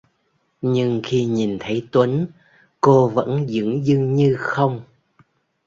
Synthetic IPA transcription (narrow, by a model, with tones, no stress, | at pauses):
ɲɨ˧ŋxi˧ɲi˨˩nt̪ʰə˨˦jt̪wə˨˦n | ko˧və̰˧˥nzɨ̰˧˥ŋzɨ˧ŋɲɨ˧xə˧wŋ͡m